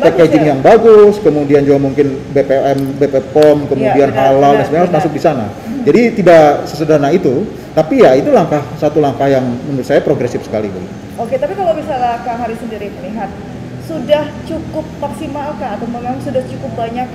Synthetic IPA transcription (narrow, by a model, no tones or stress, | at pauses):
peked͡ʒɪŋjaŋbaɡʊskəmudiand͡ʒuɡamuŋkɪn | bepeʔɛmbepepɔmkəmudianɦalaldaŋsimaɲaɦaɾʊs̬masʊk̚disana̰ | d͡ʒadit̪idaʔsəsədanait̪u | t̪apijait̪ulaŋkahsat̪ulaŋkahjaŋmənt̪̚sajapɾoɡɾesɪfsə̥kalḭbuɡt̪ | oket̪apikalawbisalakaŋɦaɾisəndiɾiməliɦat̪̚ | sudaht͡ʃukʊp̚maksimalkanat̪awməŋaŋsudaht͡ʃukʊp̚baɲak̚